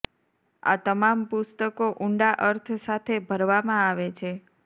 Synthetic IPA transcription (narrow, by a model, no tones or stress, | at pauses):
a̰t̪əmampʊst̪əkoʔuɳɖaʔəɾt̪ʰsat̪ʰebʱəɾʋamãaʋet͡ʃʰe